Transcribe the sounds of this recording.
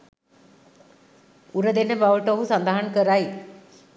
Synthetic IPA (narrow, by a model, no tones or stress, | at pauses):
uɾəd̪enːəbaʋəʈəoɦusand̪aɦankəɾaj